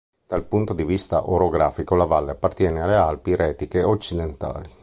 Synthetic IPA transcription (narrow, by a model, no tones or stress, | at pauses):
d̪̥alpunt̪od̪ivist̪a̰ʔoɾoɡɾaːfikolavalːeapːart̪jɛːnealealpiɾɛːt̪ikeot͡ʃːid̪ent̪a̰ːli